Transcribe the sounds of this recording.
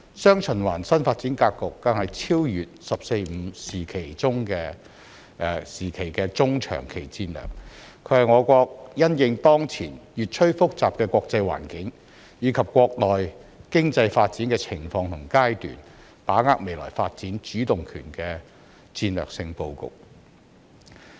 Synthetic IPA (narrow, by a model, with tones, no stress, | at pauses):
sœː˥ŋt͡ʃʰɵ˨˩nwaː˨˩nsɐ˥nfaː˧t̚t͡siː˨˥nkaː˧kkʊ˨k̪̚ːɐ˨˥ŋhɐ˨jt͡sʰiː˥wjyː˨t̚sɐ˨p̚se˧jm̩˨˧siː˨˩kʰe˨˩jt͡sʊ˥ŋkɛː˧˨ | siː˨˩kʰe˨˩jkɛː˧t͡sʊ˥ŋt͡ʃʰœ̰ː˨˩ŋkʰe˨˩jt͡siː˧nlœ̰ː˨˩k̚ | kʰːɵ˨˧ɥhɐ˨jŋɔː˨˧kʷɔː˧k̚jɐ˥njɪ˨˧ŋt̪ɔː˥ŋt͡sʰḭː˨˩njyː˨t̚t͡ʃʰɵ˥ɥfʊ˥k̚t͡saː˨p̚kɛː˧kʷwɔː˧k̚t͡sɐ˧jwa̰ː˨˩nkɪ˨˥ŋ | jiː˨˧kʰɐ˨p̚kʷɔː˧k̚lɔː˨jkɪ˥ŋt͡sɐ˧jfaː˧t̚t͡siː˨˥nkɛː˧t͡sʰɪ˨˩ŋfɔː˧ŋt̪ʰʊ˨˩ŋkaː˥jt̪y̰ː˨˩n | paː˨˥ŋaː˧k̚me˨jlɔ̰ː˨˩jfaː˧t̚t͡siː˨˥nt͡ʃyː˨˥t̪ʊ˨ŋkʰyː˨˩nkɛː˧ | t͡siː˧nlœ̰ː˨k̚sɪ˧ŋpo˧wkʊ̰˨k̚